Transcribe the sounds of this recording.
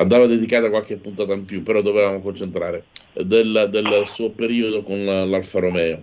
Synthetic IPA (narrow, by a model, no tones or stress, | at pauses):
and̪aːvad̪ed̪ikaːt̪akwalk̟epːunt̪aːt̪aimpjupːeɾɔd̪ovevaːmokont͡ʃent̪ɾaːɾed̪eld̪elsuːopeɾiːod̪okonlalfaɾomɛːo